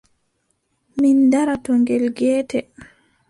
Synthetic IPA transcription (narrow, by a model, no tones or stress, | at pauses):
mindaɾatɔŋɡɛlɡɛːtɛ